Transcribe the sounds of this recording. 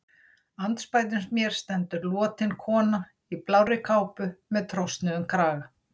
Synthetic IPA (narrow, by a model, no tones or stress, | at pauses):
ant̪spaːjt̪̬ʏnsmjɛɾ̥st̪ɛnt̪ʏɾlɔːt̪ɪnkʰɔːna | iplaːwɾɪkʰaːwpʏmɛðt̪ʰɾɔwst̪nɪʏmkʰɾaːɣa